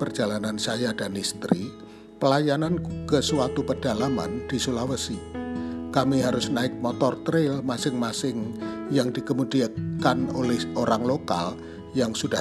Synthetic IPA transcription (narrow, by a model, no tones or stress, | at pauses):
pərd͡ʒalanansajadanist̪ɾi | pəlajanankəsuwat̪upəd̥alama̰nd̥isulawəsi | kamiɦaɾʊsnaɪk̚mɔt̪ɔrt̪ɾɪlmasɪŋmasɪŋjaŋdikəmudiakanolɛhʔoɾaŋloka̰l | jaŋsud̥a